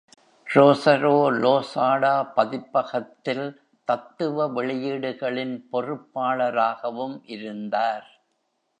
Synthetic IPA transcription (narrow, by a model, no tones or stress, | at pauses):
ɾoːsɐɾoːloːsaːɽaːpɐðɪpːɐɣɐt̪ːɪl | t̪ɐt̪ːɯʋɐʋɛɭɪjiːɽɯɣɐɭɪnpɔrɯpːaːɭɐɾaːɣɐʋɯmʔɪɾɯnd̪aːɾ